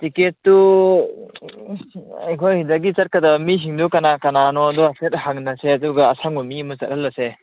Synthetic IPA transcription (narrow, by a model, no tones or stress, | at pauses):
tiketːu | ajkʰojhidaɡit͡ʃɐt̚kɐdamis̬iŋdukɐnakɐnanɔːduaset̚haŋnɐseɐduɡaːsaŋɔmimɐt͡ʃɐ̰t̚ɾalːɐse